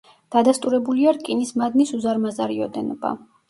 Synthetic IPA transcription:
d̪̥ad̪ast̪ʼuɾɛbuliaɾkʼinismad̪nisuzaɾmazaɾiɔd̪ɛnɔba̰

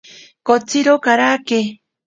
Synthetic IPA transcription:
kot͡siɾokaɾake

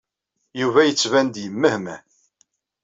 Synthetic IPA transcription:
juvæjət͡sːvænd̪jəmːəhmæ

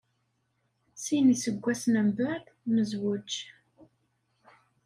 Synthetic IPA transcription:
sinisəɡʷːæsnəmbæθməzwət͡ʃː

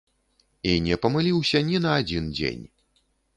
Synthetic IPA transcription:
inʲɛpɐmɨlʲiwsʲɐnʲinɐːd͡zʲind͡zʲḛnʲ

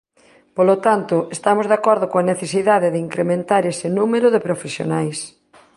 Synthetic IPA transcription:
polot̪ant̪ʊest̪amozðakɔɾðokõaneθesiðaðeðɪiŋkɾemẽnt̪aɾesɪnumeɾʊðepɾofesjo̰najs

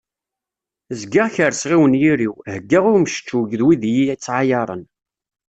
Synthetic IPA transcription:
zɡaʁçəɾsʁiwənjiɾiwhəɡːaʁʊɾməʃt͡ʃːuʝðwiðjiæt͡sːʕajɑɾˤə̰n

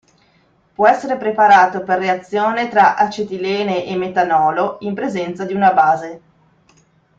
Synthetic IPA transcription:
pwɔɛsːeɾepɾepaɾaːt̪operːeat̪sːjoːnet̪ɾaʔat͡ʃet̪ilɛːneʔemːet̪anɔːloimpɾezɛnt̪sad̪iunabaːze

